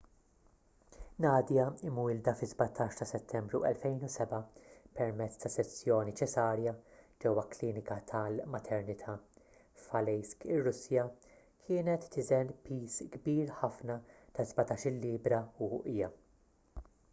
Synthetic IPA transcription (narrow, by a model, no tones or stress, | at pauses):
nɐːd̪jɐɪmuɪld̪ɐfɪzbɐt̪ʰɐːʃt̪ɐsɛt̪ʰːɛmbɾuʔɛ̰lfɛjnusɛbɐpɛɾmɛt͡sːt̪ɐsɛsːjɔːnit͡ʃɛsɐːɾjɐd͡ʒɛwːɐkliːnɪkɐt̪ʰɐlmɐt̪ʰɛɾnɪt̪ʰɐ | fɐlɛjskɪrːʊsjɐ | kʰɪːnɛt̪ːɪzɛnpiːsɡbiːɾħɐfnɐt̪ɐzbɐt̪ɐːʃɪlːiːbɾɐuʔɪjɐ